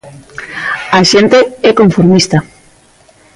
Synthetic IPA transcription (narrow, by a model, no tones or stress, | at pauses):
aʃent̪eɛkoɱfoɾmist̪a